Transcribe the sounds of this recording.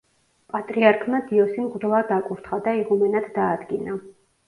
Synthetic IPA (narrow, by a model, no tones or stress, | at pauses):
pʼat̪ʼɾiaɾkʰmad̪iɔsimʁd̪lˠad̪akʼuɾt̪ʰχad̪aiʁumɛnad̪d̪aːd̪ɡina